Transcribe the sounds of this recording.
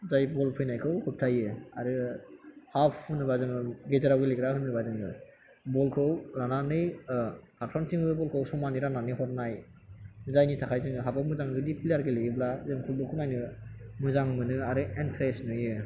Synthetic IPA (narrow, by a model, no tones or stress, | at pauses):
zajbɔlpʰɯjnajkʰɯwhup̚tʰajɯa̰ɾɯ | hapʰːɯnɯbazɯŋɯɡezaɾawɡeleɡɾahɯnːɯbazɯŋɯ̰ | bɔlkʰɯwɾananɯjkʰaɾ̚pʰɾantiŋɯbɔlkʰɯwsɔmaniɾananiɦɔɾnaj | zajnitʰakʰajzɯŋɯɦabawmuzaŋdɯdipʰilejaɾɡeleɡiblazɯŋkʰɯlbɯlkʰɯnajnɯmɯzaŋmɯnɯaɾɯentʰɾesnɯjɯ